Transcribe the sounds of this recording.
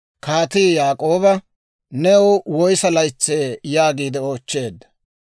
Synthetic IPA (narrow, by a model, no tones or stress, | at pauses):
kaːt̪iːjaːkʼo̞ːbɐ | nɛɔwwɔjsɐlɐjt͡sːeːjaːɡiːd̪ɛoːt͡ʃːe̞ːd̪ːɐ̥